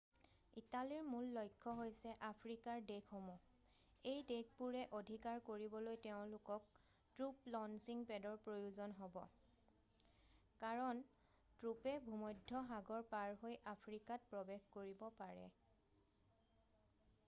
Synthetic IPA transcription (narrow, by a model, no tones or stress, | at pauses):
italiɹmulːojkʰːɔɦojsɛʔapʰɹikaɹdekʰomɔ | ejdek̚ʰpuɹɛʔodʱikaɹkoɹibɔlojtɛʊ̃lʊkɔk̚ | tɹuplɔnsiŋpɛdɔɹpɹojuzɔnɦobɔ̰ | kaɹɔn | tɹupɛbʱumɔjdʱːɔɦaɡɔɹpaɹɦojʔapʰɹikat̚pɹɔbexkoɹibɔpaɹɛ̰